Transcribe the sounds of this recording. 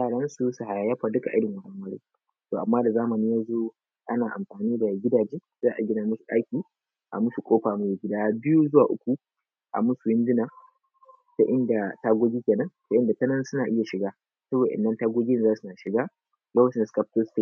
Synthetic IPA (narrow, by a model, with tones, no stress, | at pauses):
jaː˨ɽɐ˦nsu˦su˨ha˨ja˨jɐ˦ɸaː˨dʊ˦ka˨ʔɪ˦ɽɪ˨ŋwɐ˨haː˦˨mɐ˦ɽḛ˦ | toː˨ʔa˨mːaː˦da˨zaː˦mɐ˨niː˦jaː˦zoː˦ | ʔa˦naː˨ʔa̰˨mɸaː˨niː˦da˨ɡʲɪ˦daː˨d͡ʒeː˦ | zaː˦ʔa˨ɡʲɪ˦na˨mʊ˦su̥˨ʔa̰˦kʲiː˨ | ʔa̰˨mʊ˦su˨kʷʼoː˦ɸaː˨mu˦da˨ɡʲɪ˦daː˦bɪ˦ju˦zʊ˦waː˨ʔʊ̰˦kʷu˨ | ʔa̰˨mʊ˦su˨jɪ˦ndɪ˦na˨ | ta˦ʔɪ˦nda˨taː˦ɡʷoː˦ɡʲiː˦kʲeː˨nɐ˦nta˦ʔɪ˦nda˨tɐ˦nɐ˦n˦sʊ˦naː˨ʔɪ˦ja˨ʃɪ˨ɡaː˦ | sɐ˦boː˨da̰˨ɪ̰˨nːɐ˦ntaː˦ɡʷoː˦ɡʲiː˦nɪ˨zaː˦su˨na˨ʃɪ˨ɡaː˦ | jɐ˦wt͡ʃɪ˦ndska˦p̚to˦ste˦